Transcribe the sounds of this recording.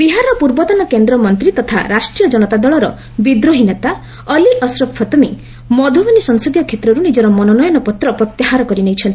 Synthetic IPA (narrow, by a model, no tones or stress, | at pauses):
biɦaɾɔpuɾbɔt̪ɔnɔkend̪ɾɔmɔnt̪ɾit̪ɔt̪ʰa̰ɾasʈɾijɔd͡ʒɔnɔt̪ad̪ɔɭɔɾɔ̰ | bid̪ɾoɦinat̪a | ɔliʔɔsɾɔpʰːɔt̪ɔmi | mɔd̪ʱobɔnisɔŋsɔd̪jɔkʰet̪ɾɔɾunid͡ʒɔɾɔmɔnɔnɔjɔnɔpɔt̪ɾɔpɾɔt̪jiɦaɾɔkɔɾinejt͡ʃʰɔnt̪ʰi̥